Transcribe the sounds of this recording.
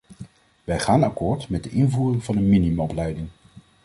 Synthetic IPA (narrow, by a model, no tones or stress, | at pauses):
ʋɛjχaːnɑkʊːɹtmɛt̚dəʔɪnvuːrɪŋvɑnənminiməɔplɛjdɪŋ